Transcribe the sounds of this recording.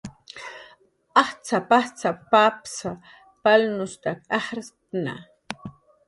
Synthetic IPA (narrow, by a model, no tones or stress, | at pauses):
ɑht͡sapaht͡sapapsa | palnʊst̪akʼahɾtna̰